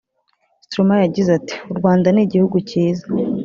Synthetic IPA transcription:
stɾomajaɟizati̥uɾɡwaːndaniɟihuɡuciːza

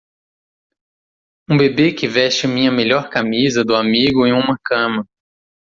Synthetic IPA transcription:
ũbebekɪvɛʃt͡ʃɪmĩɲɐmeʎɔɾkamizɐd̪ʊamiɡʊẽj̃ũmɐkɐ̃mɐ

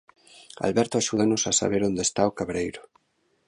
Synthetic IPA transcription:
a̰lβɛɾt̪oaʃuð̞anosasa̰βeɾond̪est̪aokaβɾejɾo

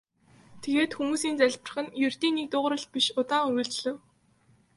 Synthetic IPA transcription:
t̪ʰeɣeːt̪xumuːsiːnt͡sæɮʲpə̆r̆χə̆njɵr̥ʲt̪iːnːik̚t̪ʊːʁ̆ɾə̆ɮt̪̚piʃʊt̪aːŋʊj̆ɮɮɘ̆w

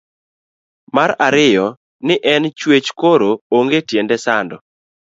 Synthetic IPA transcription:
maɾaɾɪjɔ | nɪʔɛnt͡ʃwet͡ʃkoɾooŋɡetjendɛsandɔ

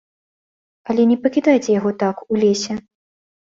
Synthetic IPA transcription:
ɐlʲɛnʲɛpɐkʲid̪ajt͡sʲɛjaɣɔt̪akulʲesʲɛ

